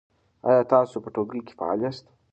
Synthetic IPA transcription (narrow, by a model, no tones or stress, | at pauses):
ɑ̰jɑt̪ɑsopəʈoɡike̥fa̰ɑ̰ljast̪